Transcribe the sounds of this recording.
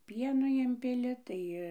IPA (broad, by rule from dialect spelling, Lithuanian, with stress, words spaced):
ˈpʲiɛnoː ˈɪmʲpʲɪlʲɪ ˈtɐɪ